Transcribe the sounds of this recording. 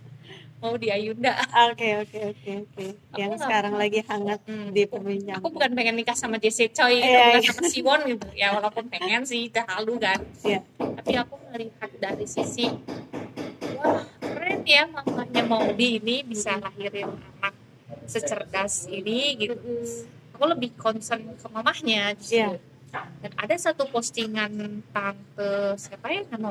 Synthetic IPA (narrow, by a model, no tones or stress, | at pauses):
maudiajundaʔokeokeoeokeajauŋssəkaɾaŋlaɡihaŋat̪̚dipəbiɲt͡ʃakubukanpeŋɛnikahsamad͡ʒɛset͡ʃɔjaasamsiwɔnɡit̪ujawalapʊnpeŋɛns̬ɪht̪əɦaldukanjat̪apiakuŋəɾikat̪̚daɾisisɪh | wahrɛt̪jamamahɲamaudiːnibisalaɦiɾɪna̰nak̚ | sət͡ʃərdasiniɡit̪u | akuləbɪhkɔnsənkəmamahɲaɡisiu | dana̰dasat̪upɔst̪iŋant̪aŋt̪əsapajaŋama